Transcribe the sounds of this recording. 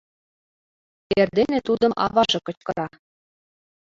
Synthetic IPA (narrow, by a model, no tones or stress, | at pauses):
t̪erd̪enʲĕt̪ud̪ɤ̆mʔɑ̰βɑʒɤ̆kɤ̆t͡ɕkɤ̆ɾɑ